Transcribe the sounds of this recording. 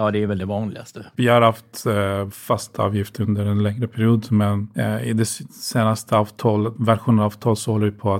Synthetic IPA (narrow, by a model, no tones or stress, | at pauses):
jɑːd̪ɛæɾvɛld̪ɛvɑːnlɪ̰ɡa̰st̪əvɪhaɾhaft̪fast̪ʰɑ̰ːvjɪft̪əɾɵnd̪əɾɛnlɛŋɾəpʰæɾɪuːd̪mɛnɪd̪ɛseːnast̪ʰəɑːvt̪ʰɑːləvæɾɧuːnənɑːvt̪ʰɑːləsɔhɔlːəvɪpʰɔa